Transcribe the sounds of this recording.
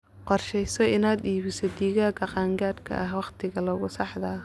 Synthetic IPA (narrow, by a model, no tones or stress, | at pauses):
qɔrʃɛjsɔɪnaːd̪iːβɪsɔd̪iːɣaːkʰɐqɑːŋɡaːd̪kʰɐ̰ʔɐɦwɑqt̪ʰɪɣɐlɔɣʊsɑħðɐ